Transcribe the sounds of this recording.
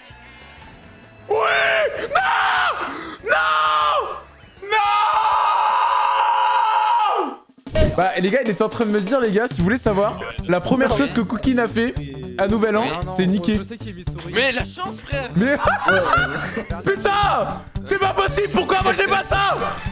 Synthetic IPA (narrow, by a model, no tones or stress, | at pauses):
winɔ̃ | nɔ̃ | nɔ̃ | baleɡailɛt̪ɑ̃t̪χɛ̃d̪əməd̪iʁleɡasivuvulesavwaʁlapχəmjɛʁʃozkəkukʲinafɛanuvɛlɑ̃sɛnikʲe | mɛ | mɛ | pyt̪ɛ̃sɛpapɔsiblpuʁkwamwaʒlɛpasa